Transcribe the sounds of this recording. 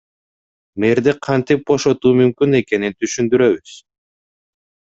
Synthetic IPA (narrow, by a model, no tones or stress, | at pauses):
meɾd̪iqʰɑnt̪ip̚bo̞ʃo̞t̪uːmymkyne̞ke̞nint̪ʰyʃynd̪yɾøβyz̥